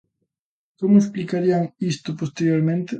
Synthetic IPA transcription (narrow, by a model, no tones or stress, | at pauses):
komʊesplikaɾiaŋist̪opost̪eɾjoɾmẽnt̪ɪ